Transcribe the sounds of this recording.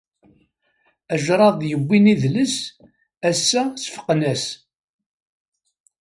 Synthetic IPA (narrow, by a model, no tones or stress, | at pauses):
æʒɾˤɑðˤjəbʷːiniðləs | æsːæsfə̥qːnæs